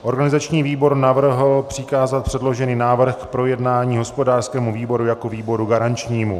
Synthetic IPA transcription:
ʔo̞ɾɡanɪzat͡ʃɲiːviːbo̞ɾnavr̩ɦlpr̥ɪkaːzat̪̚pr̥ɛdlo̞ʒɛniːnaːvr̩xkpɾo̞jɛdnaːɲiːɦo̞spo̞daːrskɛːmuviːbo̞ɾujako̞viːbo̞ɾuɡaɾant͡ʃɲiːmu

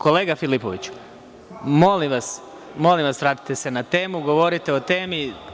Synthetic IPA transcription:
ko̞le̞ːɡafilipoʋit͡ɕ | mo̞limʋas | mo̞limʋasʋɾaːt̪i̥t̪ese̞nat̪e̞ːmuɡo̞ʋo̞ɾit̪e̞o̞t̪e̞ːmi

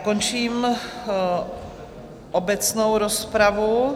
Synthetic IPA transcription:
kont͡ʃiːm | ʔobɛt͡snowɾospɾavu

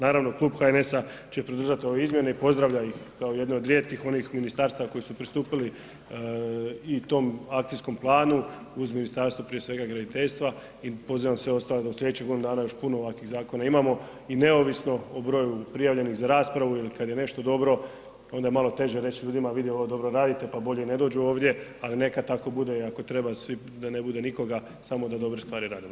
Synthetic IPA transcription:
naːɾaʋnoklˠuːbxaene̞sat͡ɕepɾod̪ɾr̩ʒat̪io̞ʋeizmje̞ne̞ipo̞zd̪ɾaʋʎajixkaoje̞d̪neod̪ɾjet̪kixo̞nixminist̪aːɾst̪aʋako̞jisupɾist̪uːpili | it̪o̞makt̪isko̞mplˠaːnu | uzminist̪aɾst̪ʋapɾije̞sʋe̞ɡaɡɾad̪it̪e̞ʎʲst̪ʋa | ipo̞ziʋamsʋe̞o̞st̪aːled̪auslʲed̪et͡ɕeɡo̞d̪inud̪aːnajo̞ʃpunooʋakʋiɣzaːko̞naimaːmo̞ | ine̞o̞ʋisno̞obɾo̞ːjupɾijaʋʎe̞nixzaɾaːspɾaʋuilikad̪je̞ne̞ʃt̪o̞d̪o̞bɾo̞ | o̞nd̪ajemalˠo̞t̪e̞ʒeɾe̞t͡ɕʎuːd̪imaʋid̪jio̞ʋod̪o̞bɾo̞ɾaːd̪it̪e̞pabo̞ʎene̞d̪o̞ːd͡ʑuo̞ːʋd̪je̞aline̞kad̪t̪ako̞bud̪e̞ako̞t̪ɾe̞basʋi | d̪anebud̪e̞niko̞ɡa | samo̞d̪ad̪o̞bɾest̪ʋaːɾiɾaːd̪imo

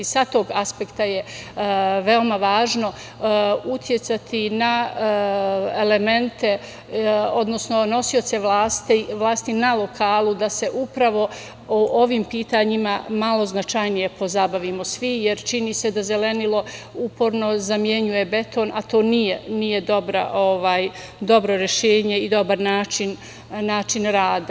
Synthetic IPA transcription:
sat̪o̞ːɡaspekt̪aje | ʋeo̞maʋaːʒno̞ | ut̪ʰje̞t̪sat̪ʰina | ele̞me̞nt̪e̞ | o̞d̪no̞sno̞no̞sio̞t̪se̞ʋlaːst̪ʋlˠaːst̪inalo̞kʰaːlˠud̪ase̞ʔupɾaʋo̞ | oʔoʋiːmpiːt̪aɲimamalo̞znat͡ʃajnije̞po̞zabaʋimo̞sʋijeɾt͡ʃinise̞d̪aze̞le̞nilo̞upo̞ɾno̞zamje̞ɲuje̞be̞t̪ʰo̞ːnat̪o̞ːnijenije̞d̪o̞bɾa̰ʔo̞ʋaːj | d̪o̞bɾo̞ɾjeʃeːɲe̞id̪o̞baɾnaːt͡ʃin | naːt͡ʃinɾaːd̪a

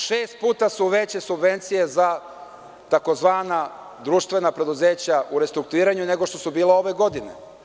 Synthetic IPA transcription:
ʃeːst̪̚puːt̪asuʋe̞t͡ɕe̞subʋe̞nt̪sije̞za | t̪ako̞zʋaːna | d̪ɾuʃt̪ʋe̞napɾe̞d̪uze̞ːt͡ɕaʔuɾe̞st̪ɾuk̚t̪uiːɾaɲune̞ɡo̞ʃt̪osubiːleo̞ʋe̞ɡo̞d̪inḛ

